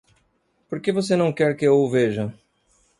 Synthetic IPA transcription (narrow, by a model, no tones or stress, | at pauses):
poɾkevosenɐ̃w̃kɛɾkɪewʊveʒɐ